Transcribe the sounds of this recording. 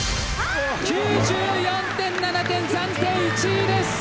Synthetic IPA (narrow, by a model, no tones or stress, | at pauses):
kʲjuːd͡ʑɨjɔ̃nt̪ẽnːanat̪ẽnsãnt̪eit͡ɕid̪es